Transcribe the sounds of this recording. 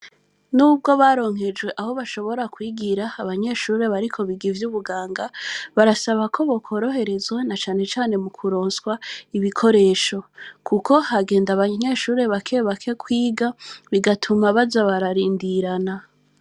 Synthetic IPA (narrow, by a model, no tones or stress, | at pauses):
nuːb̚ɡo̞βaːɾo̞ːŋhe̞d͡ʒɡwe̞ʔaho̞βaʃo̞βo̞ɾakwiːɡiɾaːβaɲe̞ʃuːɾe̞βaɾikʰo̞βiɡivjuβuɡaːŋɡaβaɾasaβakʰo̞βokʰo̞ɾo̞ɦe̞ɾe̞zwanat͡ʃaːne̞t͡ʃaːne̞mukʰuɾo̞ːnswaiβikʰo̞ɾe̞ːʃo̞kʰukʰo̞haɡe̞ːndaβaɲe̞ʃuːɾe̞βakʰeːβakʰe̞kwiːɡaβiɡatʰumaβazaβaɾaɾiːndiɾana